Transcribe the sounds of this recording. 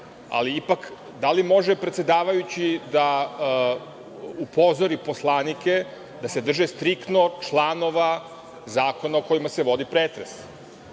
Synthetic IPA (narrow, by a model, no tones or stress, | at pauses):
a̰liipak | d̪alimo̞ʒepɾet̪se̞d̪aːʋajut͡ɕid̪a | upo̞zoɾipo̞slˠaːnike̞ | d̪ase̞d̪r̩ʒest̪ɾikt̪no̞t͡ʃlˠano̞ʋa | zaːko̞naoko̞jimase̞ʋo̞d̪ipɾeːt̪ɾes